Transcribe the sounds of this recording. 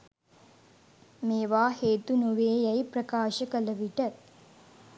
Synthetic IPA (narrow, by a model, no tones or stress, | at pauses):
meːʋaːheːt̪unuʋeːjɐjprɐkaːʃəkələʋiʈə